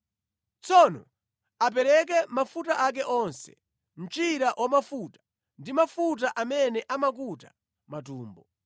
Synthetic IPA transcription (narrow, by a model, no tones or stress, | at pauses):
t͡sʰɔnɔ̰ | ap̬ɛɾɛk̬ɛmafutaʔak̬ɛʔɔnsɛ̰ | m̩t͡ʃiɾaʔwʔamafutḁ | ndimafut̬aʔamɛnɛʔamak̬uta | matuːmbɔ